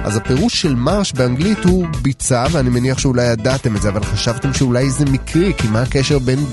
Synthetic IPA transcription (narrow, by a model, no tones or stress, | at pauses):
ʔa̰zape̞ʁuʃʃe̞lmaʁʃbeaŋɡlithubit͡saveanimeniaχʃeulajadat̪e̞metzeavalχaʃavt̪e̞mʃeulajzemikʰʁikimaakeʃe̞ʁbe̞n